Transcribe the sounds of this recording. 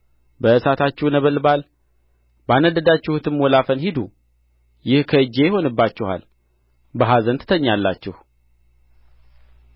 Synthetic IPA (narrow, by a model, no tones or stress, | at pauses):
bəɨsat̪ʰat͡ʃːɛwnəβəlbal | banəd̪əd̪at͡ʃːɛhut̪ʰɨmwɔlafənhid̪u | jɪhkʰəɨd͡ʒe̞jɪho̞nɨbːat͡ʃːɛha̰l | bəɦazənt̪ɨ̥t̪ʰəɲːalːa̰t͡ʃːɛhu